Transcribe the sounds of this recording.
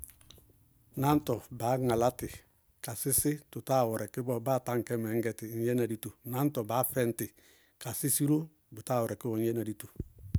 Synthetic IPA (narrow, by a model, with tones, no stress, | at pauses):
na˦ntɔ˨ba˨˦ŋa˨la˦tɪ˨ | ka˨sɪ˦sɪ˦tu˨ta˦˨wɔ˨ɾɛ˨kɪ˦bɔ˨baː˦ta˦ŋkɛ˦mɛ˨˦ŋɡɛ˨ti˨ɲjɛ˦na˨di˦tu˨na˦ntɔ˨baː˨˦fɛ˦ntɪ˨ | ka˨si˦si˦ɾo˦ | bu˨ta˦˨wɔ˨ɾɛ˨kɪ˦bɔ˦˨˦je˦na˨di˨˦tu̥˨